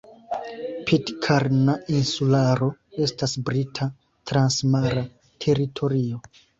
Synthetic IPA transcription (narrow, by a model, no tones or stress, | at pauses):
pʰidkʰaɾnainsulaɾo̞e̞stasbɾitʰa | tɾansmaɾa | tʰe̞ɾitʰo̞ɾio̞